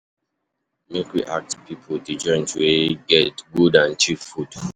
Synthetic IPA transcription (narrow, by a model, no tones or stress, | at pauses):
mekɹḭʔak̚tpipʰotud͡ʒɔ̃nd͡ʒweɡɛtɡudãnt͡ʃiffud